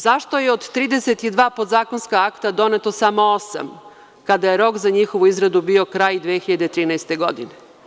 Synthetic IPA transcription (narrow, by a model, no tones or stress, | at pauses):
zaʃt̪o̞jeod̪t̪ːɾiːd̪e̞set̪id̪ʋaːpod̪zaːko̞nskaakt̪ad̪o̞net̪o̞samo̞osa̰m | kad̪ajeɾo̞kzaɲixo̞ʋuizɾad̪ubio̞kɾaːjd̪ʋexiʎad̪et̪ɾiːnaest̪e̞ɡo̞d̪ḭne